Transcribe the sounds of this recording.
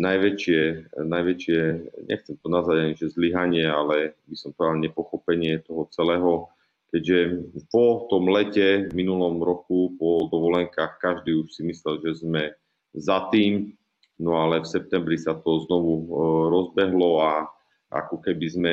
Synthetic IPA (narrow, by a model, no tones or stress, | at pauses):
najʋɛt͡ʃɪɛnajʋɛt͡ʃɪɛɲɛ̰xt͡sɛmt̪ɔnazaɟaɲiʒɛzliɦaɲɪɛalɛbisɔmpɾɔɛd̪alɲɛpɔxɔpɛɲɪɛt̪ɔɦɔt͡sɛlɛːɦɔ | kɛɟʒɛpɔt̪ɔmlɛcɛminulɔmɾɔkupɔd̪ɔʋɔlɛŋkaːxkaʒd̪iːuʃsimislɛlʒɛzmɛ | zat̪iːm | nɔalɛfsɛp̚t̪ɛmbɾisat̪ɔznɔʋuɾɔzbɛɦlɔa | ʔa̰kɔkɛbizmɛ